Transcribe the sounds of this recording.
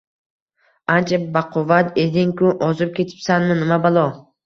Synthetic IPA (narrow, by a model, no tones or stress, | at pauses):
ant͡ʃʰabaqʰovat̪ed̪ɪŋkʊʔɒzɪp̚kʲe̞t͡ʃ̪ʰɪ̥psanmɪnɪmabalˠɒ